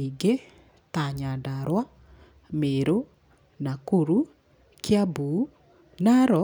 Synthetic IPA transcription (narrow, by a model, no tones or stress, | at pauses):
iɡe | taɲandaɾwa | meɾo | nakuɾu | kjabu | naɾɔ